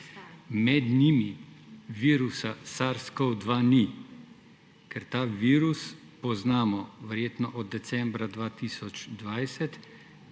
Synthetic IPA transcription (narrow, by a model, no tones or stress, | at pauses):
mɛd̪nimiʋiːɾusasaɾskɔwd̪ʋani | kɛɾt̪aːʋiːɾus | pɔznaːmɔʋɛɾjeːt̪nɔʔɔd̪̚ːɛt̪sɛmbɾad̪ʋaːt̪iːsɔt͡ʃd̪ʋajsɛt̪